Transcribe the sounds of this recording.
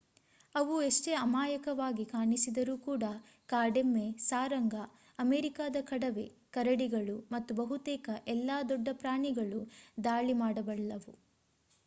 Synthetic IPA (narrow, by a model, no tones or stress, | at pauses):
ɐʋueʂʈeɐmaːjɐkɐʋaːɡikaːɳisid̪ɐɾuːkuːɽɐ | kaːɖemːesaːɾɐŋɡɐ | ɐmeːɾikaːd̪ɐkɐɽɐʋe̞̰kɐɾɐɽiɡɐɭumɐt̪ːubɐɦut̪ɛːkɐʔɛlːaːd̪ɔɖːɐpɾaːɳiɡɐɭud̪aːɭimaːɽɐbɐɭɐlɐʋu